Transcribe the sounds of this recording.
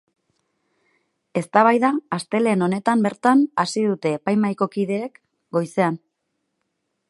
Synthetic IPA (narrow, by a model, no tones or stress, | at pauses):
e̞st̪aβajðaːst̪e̞le̞no̞ne̞t̪ambe̞ɾt̪anasiðut̪e̞ːpajmajko̞kiðe̞ːk | ɡo̞jse̞an